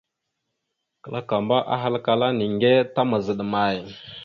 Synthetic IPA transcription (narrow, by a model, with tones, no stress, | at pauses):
kə˨la˦ka˨mba˦ʔa̰˦ɦa˦lka˨la˦ni˨ŋɡe˦ta˦ma˨zə˨ɗma˨j